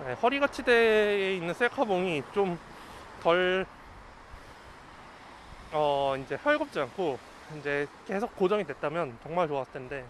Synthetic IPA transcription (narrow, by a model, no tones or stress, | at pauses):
ne̞hʌɾiɡat͡ɕʰideːinːɯns͈ʰekʰaboŋit͡ɕom | tʌɭ | ʌind͡ʑe̞hjʌɭɡʌp̚t͡ɕ͈iankʰo | ind͡ʑe̞ke̞sʰok̚k͈od͡ʑʌŋidwe̞t̚t͈amjʌnt͡ɕʌŋmaɭt͡ɕoas͈tʰende̞